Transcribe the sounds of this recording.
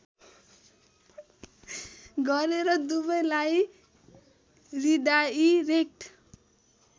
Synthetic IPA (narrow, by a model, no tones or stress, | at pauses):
ɡʌɾeɾʌd̪ubʌjlaj | rid̪aiɾek̚ʈ